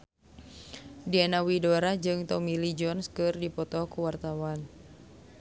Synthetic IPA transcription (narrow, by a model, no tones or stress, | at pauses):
diɛnawidɔɾad͡ʒɨŋt̪ɔmilid͡ʒɔnskɨrdipɔt̪ɔkuwart̪awan